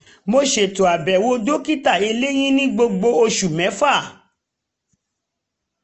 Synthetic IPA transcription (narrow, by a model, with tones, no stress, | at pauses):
mo˧ʃe˨to˨a˨bɛ˨wo˨˦do˦ki˦ta˦˨e˧le˦j̃ĩ˦nĩ˦ɡ͡bo˧ɡ͡bo˧o˧ʃu˨mɛ̃˨˦fa˦˨